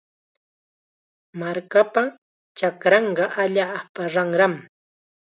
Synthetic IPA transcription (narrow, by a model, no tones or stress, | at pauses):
maɾkapa | t͡ʃakɾɑɴɢɑʔaʎaːpaɾɑŋɾam